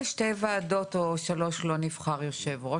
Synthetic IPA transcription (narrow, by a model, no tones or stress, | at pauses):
ʃtevaːdotoʃalo̞ʃlo̞nivχaʁjoʃe̞vʁo